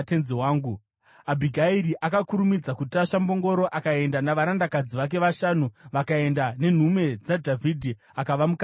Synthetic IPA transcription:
tenzewaːŋɡu | abʱiɡʱaiɾiʔakakuɾumid͡zakutaʃambo̞ŋɡo̞ɾo̞ʔakae̞ndanaʋaɾandakad͡ziʋak̬e̞ʋaʃanuʋakae̞ndane̞n̤ume̞d͡zadʱavʱidʱi | akaʋamuka

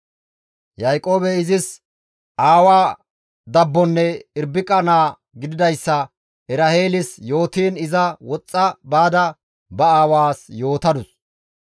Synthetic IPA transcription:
jɐjkʼo̞ːbɛɪzɪs | ʔaːwaː | d̪ɐbːɔnːɛɪɾbːɪkʼɐnaː | ɡɪd̪ɪd̪ɐjsːɐ | ɛɾɐhe̞ːlɪsjo̞ːt̪iːnɪzɐwɔt͡sʼːɐbaːd̪ɐ | bɐaːwaːsjo̞ːt̪ɐd̪ʊs

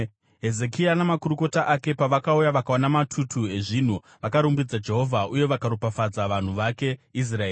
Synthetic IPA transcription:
ɦe̞ze̞kʰianamakuɾuko̞taʔake̞paʋakaujaʋakaonamatʰutʰue̞ʐin̤u | ʋakaɾumbid͡zad͡ʒe̞ɦo̞vʱaʔuje̞ʋakaɾupafad͡zaʋan̤uʋake̞is̬raeːi

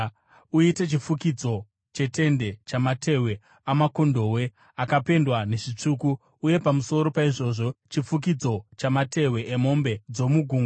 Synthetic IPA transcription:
uite̞t͡ʃifukid͡zo̞ | t͡ʃe̞te̞nde̞t͡ʃamate̞we̞ | amako̞ndo̞we̞ | akape̞ndwane̞ʐit͡ʂuku | uje̞pamuso̞ɾo̞paiʐo̞ːʐo̞t͡ʃifuk̬id͡zo̞t͡ʃamate̞we̞ʔːmo̞mbe̞d͡zo̞muɡʱuːŋ

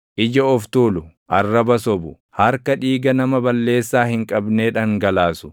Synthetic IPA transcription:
ʔɪd͡ʒɐɔft̪uːlʊ | ʔɐrːɐbɐsɔbʊ | hɐɾkɐᶑiːɡɐnɐmɐbɐlːe̞ːsːaːhɪŋkʼɐbne̞ːᶑɐŋɡɐlaːsʊ̥

